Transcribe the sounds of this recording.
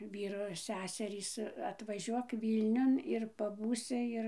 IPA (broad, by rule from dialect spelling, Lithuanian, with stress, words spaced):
ˈʋʲiːroː ˈsʲæːsʲɛrʲiːs ɐtʋɐˈʒʲuɔk ˈʋʲiːlʲnʲʊn ɪr pɐˈbuːsʲɪ ˈɪr